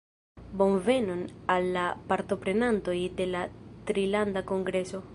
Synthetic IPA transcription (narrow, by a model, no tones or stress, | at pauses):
bo̞nvenonalːapaɾt̪o̞pɾenant̪ojd̪e̞lat̪ɾiland̪akoŋɡɾeso